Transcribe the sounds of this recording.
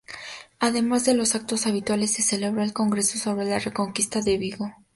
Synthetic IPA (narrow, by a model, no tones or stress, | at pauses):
aðe̞mazðe̞lo̞sak̚t̪o̞saβit̪wale̞sːe̞se̞le̞β̞ɾoelko̞ŋɡɾe̞so̞so̞βɾe̞lare̞ko̞ŋkist̪aðe̞βiɣo̞